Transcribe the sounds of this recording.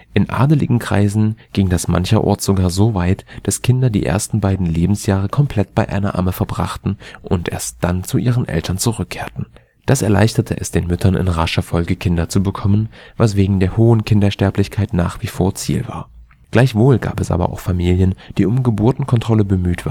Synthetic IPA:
ʔɪnʔa̰ːdəlɪ̰ɡŋ̩kʁ̥a̰ɪzn̩ɡ̥ɪŋdasma̰nçɐʔɔ̰ɐtz̥oɡaːɐzoːvaɪtd̥askʰɪndɐdḭːʔḛːɐstn̩baɪdn̩leːbm̩sjaːʁ̞əkʰɔmpʰl̥ɛtb̥aɪʔa̰ɪnɐ̰ʔa̰məfɛɐbʁa̰χtn̩ʔʊntʔḛːɐst̚d̥ant͡suʔiːʁ̞ənʔɛ̰ltʰɐnt͡suʁʏkʰːeːɐtn̩ | d̥asɛɐla̰ɪçtɐtʰə̰ʔɛsd̥eːnmʏtʰɐnɪ̰nʁaʃɐfɔlɡəkʰɪndɐt͡subəkʰɔmənvas̬v̥eːɡŋ̩deːɐhoːənkʰɪndɐʃtɛɐplɪçkʰaɪtnaːχv̥iːfoːɐt͡sḭːlva̰ːɐ | ɡ̥laɪçv̥oːlɡa̰ːpɛsʔa̰ːbɐ̰ʔa̰ʊxfamiːljənd̥iːʊmɡəbuːɐtn̩kʰɔntʁ̥ɔləbəmyːtv̥a̰ː

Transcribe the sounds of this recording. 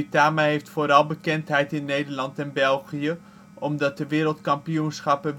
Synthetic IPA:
itaːmaɦejftfoːɾɑlˠbəkɛntɦɛjtɪnːejdəɹlɑntɛnbɛlˠχijə | ʔɔmdɑt̚dəʋɪːɾəlˠtkɑmpiunsχɑpən

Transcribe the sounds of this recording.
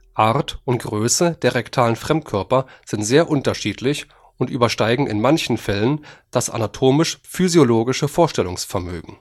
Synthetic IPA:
ʔaʁtʊntɡ̥ʁøːsəd̥eːɐʁɛktʰaːlənfʁ̥ɛmt̚kʰœɐpɐz̥ɪntz̥eːɐʔʊntɐʃiːtʰlɪç | ʊntʔy̰ːbɐʃtaɪɡŋ̩ɪ̰nmançn̩fɛlənd̥asʔa̰natʰoːmɪʃfyzjoloːɡɪʃəfoːɐʃtɛlʊŋsfɛɐmø̰ːɡŋ̩

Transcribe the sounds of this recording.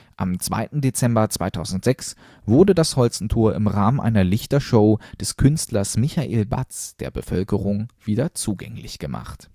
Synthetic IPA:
ʔamt͡sv̥a̰ɪtn̩det͡sɛmbɐt͡sv̥aɪtʰaʊzn̩tz̥ɛks | v̥ʊɐdədashɔlt͡sn̩tʰoːɐɪmʁaːmənʔa̰ɪnɐlɪçtɐʃoʊd̥ɛskʰʏnstlɐsmɪçaʔeːlba̰t͡sd̥eːɐbəfœlkəʁʊŋv̥iːdɐt͡suːɡɛ̰ŋlɪ̰çɡ̥əma̰χt

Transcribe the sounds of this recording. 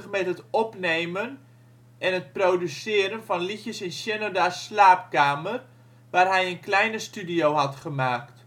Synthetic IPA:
əχmɛtətɔpnejmən | ʔɛnɦət̚proːdysɪəɾənfɔnlitjəsɪnsjɪnodaslaːp̚kaːmər | ʋaːrɦɛjənklɛjnəstydijowɦɑtχəmaːkt

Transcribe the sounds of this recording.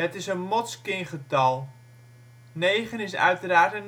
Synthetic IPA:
ətɪsənmɔtskɪŋχətɑlˠ | nejχənɪsœ̰ɥtəɾaːrtən

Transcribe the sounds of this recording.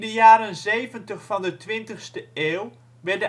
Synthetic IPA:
dəjaːɾənzejvəntəχfɑndətʋɪntəχstəeːlˠ | ʋɛdə

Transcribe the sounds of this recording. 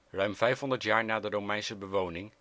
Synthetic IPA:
rœɥmv̥ɛjfɦɔndəɹtjaːɹnaːdərowmɛjnsəbəʋownɪŋ

